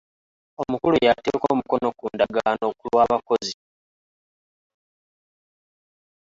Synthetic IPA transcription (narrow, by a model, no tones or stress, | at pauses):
o̞mukulujateko̞ːmuko̞no̞kuːndaɡano̞ːkulwaːβako̞zi